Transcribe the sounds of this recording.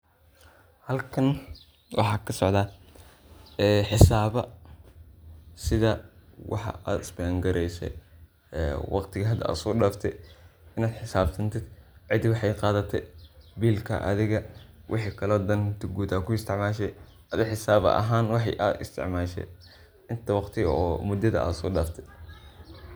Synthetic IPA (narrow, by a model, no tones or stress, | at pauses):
hɐlkʰɐn | wʔɑ̰ħɑːkʰɐsɔʕd̪ða | ɛːħɪsaːβɐ | sɪðɐwʔɑ̰ħɑ̰ʔaːd̪ɪsbɛːŋɡɐɾɛjsɛ̰j | ɛ̰ːwɑqt̪ʰɪɣɐɦɐd̪ɐa̰ːd̪sɔːɖaːft̪ʰɛ̰ɪnaːd̪ħɪsaːbsɐnt̪ʰɪd̪̥ʕɪd̪wɑħɑjqɑːðɐt̪ʰɛ̰biːlkʰɐ̰ʔɐ̰ðɪɣɐwʔɪ̰ħiːkʰɐlɔːd̪ɐnt̪ʰɪɡuːd̪aːkʰʊɪst̪ʰɪʕmaːʃ̬ɛj | ɐðɐħɪsaːβɐ̰ɐ̰ɦaːnwɑħɑjʔaːd̪ɪ̰st̪ʰɪ̰ʕmaːʃɛ̰ | ɪnt̪ʰɐwɑqt̪ʰɪɣɐ̰ɔːmʊd̪ɐðɐ̰ʔa̰ːd̪sɔːɖaːft̪ʰɛ